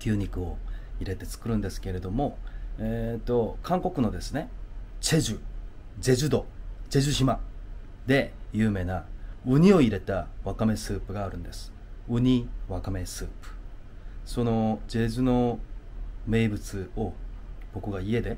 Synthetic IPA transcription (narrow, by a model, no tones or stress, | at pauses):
kʲɨːɲ̟ikɯ̟o̞iɾe̞t̪e̞t͡sɨ̥kɯ̟ɾɯ̟̃nd̪e̞sɨ̥ke̞ɾe̞d̪o̞mo̞eːt̪ːokʰãŋko̞kɯ̟no̞d̪e̞sɨne̞t͡ɕe̞ʑɨ | ze̞ʑɨd̪o̞ze̞ʑɨɕima | d̪e̞jɯːme̞ːnaɯ̟ɲ̟io̞iɾe̞t̪aβakame̞sɨːpɯ̟ɡaːɾɯ̟̃nd̪e̞sɨ̥ | ɯ̟ɲ̟iβakame̞sɨ̰ːpɯ̥ | so̞no̞d͡ʑe̞zɨno̞ | me̞ːbɯ̟t͡sɨo̞b̥o̞kɯ̟ɡaie̞d̪e̞